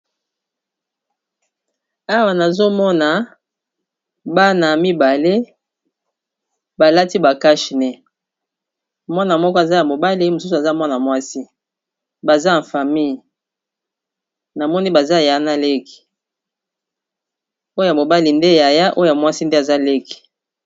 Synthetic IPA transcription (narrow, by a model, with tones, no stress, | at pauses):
a˦wa˨na˨zo˦mɔ˦na˨ | ba˦na˨mi˦ba˨le˦ | ba˨la˦ti˦ba˨ka˦ʃi˨nɛ˦ | mwa˦na˨mɔ˦kɔ˦a˨za˦ja˨mo˨ba˦li˦mo˨su˦u˨a˨za˦ma˦na˨mwa˦si˦ | ba˨za˦na˨fa˨mi˦j | na˨mɔ˦ni˦ba˨za˦ja˨˦na˦le˦ki̥˨ | o˦o˦ja˨mo˨ba˦li˨nde˦ja˨ja˦ʔo˦o˨a˨mwa˦si˦nde˦a˨za˦le˦ki̥˨